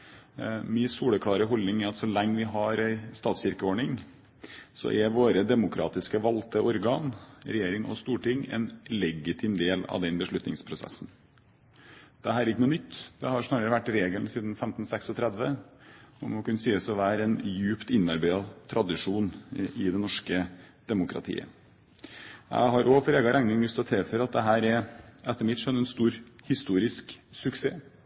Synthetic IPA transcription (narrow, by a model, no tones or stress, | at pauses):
mɪsuːɽəkʰlɑːɾəɦɔlnɪŋæɾɑt̪sɔlɛŋːəʋɪɦɑɾæɪst̪ɑːt̪sɪɾkəoːɳɪŋ | sɔ̰ʔɛʋoːɾəd̪ɛmʊkʰɾɑ̰ːt̪ɪskəʋɑlt̪ʰəʔɔɾɡɑːnɾɛjeːɾɪŋʔɔ̰st̪uːʈɪŋːɛ̰nlɛɡɪt̪ʰɪːmd̪eːlɑ̰ʋd̪ɛnbəʂɭʉt̪nɪŋspʰɾʊsɛ̰sːn | d̪̥ɛɦæːɾɛɾɪkːənuːnʏt̪ːd̪̥ɛhɑɾʂnɑːɾəɾəʋæʈːɾeːɡəlnsiːd̪n̩fɛmt̪n̩sɛksɔt̪ʰɾɛd̪ʋə | mɔkʰʉnːəsiːəsɔʋæːɾəɛnjʉːpt̪ɪnːɑɾbæɪɑt̪ʰɾɑd̪ɪʂuːnɪd̪ɛnɔʂkəd̪̥ɛmʊkʰɾɑ̰t̪ʰḭːə̰ | jæ̰ɪɦɑɾʔɔfɔɾeːɡɑɾʔɛŋɪŋlʏst̪ʰɔt̪ʰeːfœɾɑt̪̚d̪ɛɦæːɾɛɾɛt̪ːəɾmɪt̪ʂœnːɛnst̪uːɾhɪst̪uːɾɪsksʉksḛː